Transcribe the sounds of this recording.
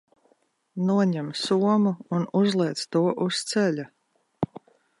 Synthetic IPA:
nuɔɲɛmsuɔmuːnuzlˠɛːt̪st̪uɔʔust̪sɛʎʲa

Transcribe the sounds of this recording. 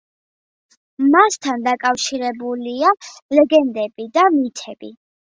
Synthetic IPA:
mast̪ʰand̪akʼafʃiɾɛbulialɛɡɛnd̪ɛb̥id̪amit̪ʰɛbi

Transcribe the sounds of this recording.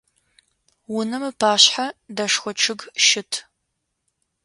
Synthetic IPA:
wʊnɐmɨpʰaːɕħadɐʂxʷɔt͡ʃʰɨɡʃɪtʰ

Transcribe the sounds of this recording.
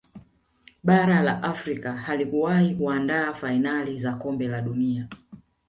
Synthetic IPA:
ɓaɾalaʔafɾikahalikuwahikuandaːfainalizakɔmbɛlaɗunia

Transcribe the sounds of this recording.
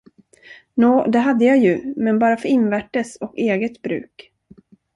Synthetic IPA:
nuːd̪ɛɦad̪ːəjajɵmɛnbɑːɾafœɾɪnvæʈːəsɔkeːɡət̪bɾʉ̟̰ːk

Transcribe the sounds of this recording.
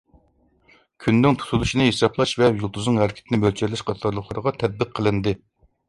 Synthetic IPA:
kʲʰynːɪŋt̪ʰu̥t̪ʰulˠuʃinɨɦesɑpʰlˠɑʃvɛjulˠt̪ʰuznɨŋhæɾkʲʰi̥t̪ʰɪnɪmølt͡ʃʰɛɾlɛʃqʰɑt̪ʰɑɾlˠəχlˠɑɾʁɑt̪ʰɛd̪̚bɨqʰːəlˠɨnd̪ɨ

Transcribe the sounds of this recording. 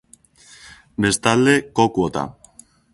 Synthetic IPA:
be̞st̪ald̪e̞kokuot̪a̰

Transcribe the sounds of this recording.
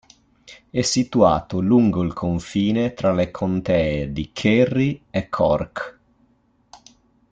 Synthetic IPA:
ɛsit̪ua̰ːt̪oluŋɡoilkʰoɱfiːnet̪ɾalekʰont̪ɛːed̪ikʰerːiekʰːɔ̰rk

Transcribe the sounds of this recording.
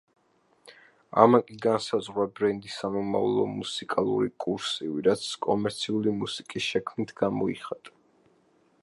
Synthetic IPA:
a̰makʼiɡansazʁwabɾɛnd̪isamɔma̰vlˠɔmusikʼalˠṵɾikʼuɾsiviɾat̪sʰkʼɔmɛɾt̪sʰiulimusikʼisʃɛkʰmnit̪ʰɡamɔiχat̪ʼḁ

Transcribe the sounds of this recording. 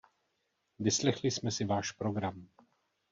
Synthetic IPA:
vɪslɛxlɪsmɛsɪvaːʃpɾoɡɾam

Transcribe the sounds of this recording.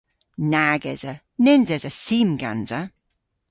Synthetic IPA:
naɡɛz̥ə | nɪnzɛzəsiːmɡa̰nzə

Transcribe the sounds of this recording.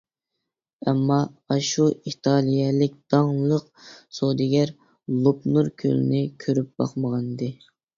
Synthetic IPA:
ɛmːɑɑʃuʔit̪ʰɑlˠijɛlɪk̚ʲd̪̥ɑŋlˠəqsod̪ɪɡʲæɾ | lˠopnuɾkʲʰø̰lɪnɪkʲʰøɾyp̚b̥ɑ̰qməʁɑnd̪ɨ

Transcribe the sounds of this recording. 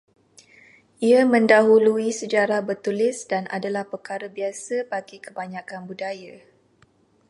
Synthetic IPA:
ʔiamə̃ndaɦuluisəd͡ʒaɾahbərt̪ulɪsdana̰dalahpərkaɾəbiasəbaɡikəbaɲãkanbudaja

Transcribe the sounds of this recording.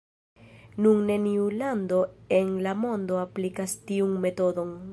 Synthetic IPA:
nunne̞niuland̪o̞enlamo̞nd̪o̞aplikast̪iuŋme̞t̪o̞d̪o̞ŋ

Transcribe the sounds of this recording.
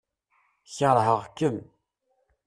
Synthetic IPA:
çəɾˤɦəʁkːəm

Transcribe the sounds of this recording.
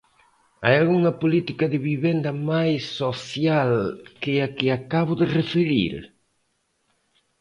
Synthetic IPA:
a̰jalɣuŋɐpolit̪ikɐðɪβiβend̪ɐmajsːoθjalkɪakɪakaβʊðɪrefeɾḭɾ

